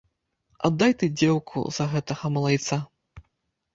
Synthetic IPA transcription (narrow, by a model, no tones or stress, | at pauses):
a̰d̪ːajt̪ɨd͡zʲɛwkʰṵzɐɣɛt̪ɐɣɐmɐlˠajt̪sa